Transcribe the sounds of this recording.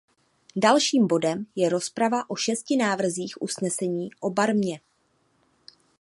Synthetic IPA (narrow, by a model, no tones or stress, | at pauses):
dalʃiːmbo̞dɛmjɛɾo̞spɾavaʔo̞ʃɛscɪnaːvr̩ziːxʔusnɛsɛɲiːʔo̞baɾmɲɛ